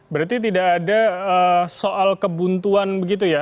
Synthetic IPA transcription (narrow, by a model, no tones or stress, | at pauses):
bəɾart̪it̪̬idakːdaəsoʔalkəbunt̪uanbəɡit̪̬uja